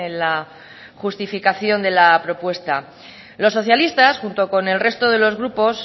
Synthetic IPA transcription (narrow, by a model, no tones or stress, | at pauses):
enla | xust̪ifikaθjo̞nd̪e̞lapɾo̞pwe̞st̪a | lo̞sːo̞θjalist̪asxunt̪o̞ko̞ne̞lre̞st̪o̞ð̞e̞lo̞zɣɾupo̞s